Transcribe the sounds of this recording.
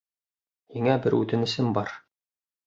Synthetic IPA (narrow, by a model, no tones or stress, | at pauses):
hiŋæbɘɾʉ̰t̪ɘnɘ̆sɘmbɒɾ